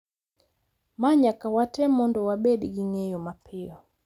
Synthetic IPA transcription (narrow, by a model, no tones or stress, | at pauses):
maɲakawatɛmɔndɔwabɛɗiɡiŋɛjɔmapʰiɔ